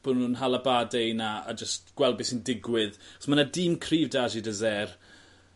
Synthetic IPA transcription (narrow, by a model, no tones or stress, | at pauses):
b̥ʊdnunɦalˠabadejnaa̰d͡ʒəstɡ̥wɛlˠbɪsɪndɪɡwɪðsmanadɪmkʰriːvdaʒidəzɛr